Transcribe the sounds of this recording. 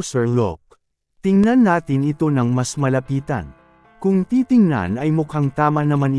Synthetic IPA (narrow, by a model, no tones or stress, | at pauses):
sɛɹlo̰k̚ | t̪ɪŋnɐnːaːt̪ɪnɪt̪o̞nɐŋmɐsmɐlɐpiːt̪ɐ̰n | kʊŋt̪iːt̪ɪŋnɐ̰nɐjmʊkaŋt̪aːmɐnɐmanɪ